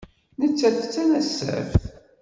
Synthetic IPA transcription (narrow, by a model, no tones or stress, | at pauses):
nət͡sːæθət͡sːænæsːə̰fθ